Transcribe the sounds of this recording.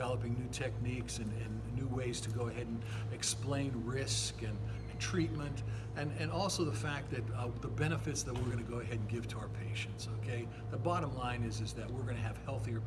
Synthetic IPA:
ɛlˠəpɪ̃ŋnʉtʰɛk̚niksɨ̃nɨ̃nːʉweɪz̥tʰɨɡoʊɨɦɛɾ̃n | ɨksplẽɪ̃nɹɪskɨ̃n | ɨ̃ntʰɹ̥it̚mɨ̃nt | ɨ̃nɨ̃nɔlˠsoʊðəfæk̚t̪̚ðɨt̚ðəbɛñɨfɨtsðɨt̚wɪɹɡʌnɨɡoʊɨɦɛd̚ɡɪv̥tʰəaʊə˞pʰeɪʃɨ̃ntsoʊkʰeɪ | ðɨbɑɾə̃mlãɪ̃nɨzɨzðɨt̚wɪɹɡʌñɨːv̥hɛlˠθiə˞

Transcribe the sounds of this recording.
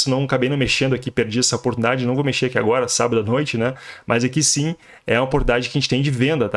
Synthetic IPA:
sɪnɐ̃w̃akabẽjnɐ̃meʃẽnd̪ʊakipeɾd͡ʒiɛsɐopoɾt̪unid̪ad͡ʒɪnɐ̃w̃vomeʃeɾakiaɡɔɾɐsa̰bɐd̪ʊanojt͡ʃɪnɛmʔɐzakisĩ | ɛ̰̃ɐopoɾt̪unid̪ad͡ʒɪkɪaʒẽt͡ʃɪ̥t̪ẽj̃d͡ʒɪvẽnd̪ɐt̪a

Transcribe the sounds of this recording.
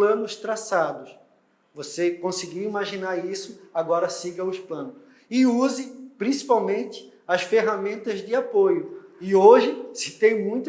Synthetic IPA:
lɐ̃nʊst̪ɾasad̪ʊs | vosekõsɪɡiwimaʒinaɾisʊaɡɔɾɐsiɡɐʊsplɐ̃nʊs | ɪuzɪpɾĩsi̥pawmẽnt̪ɪ̥ | ɐsfeɦamẽnt̪ɐzd͡ʒɪapojʊɪoʒɪsɪ̥t̪ẽj̃mũj̃t̪

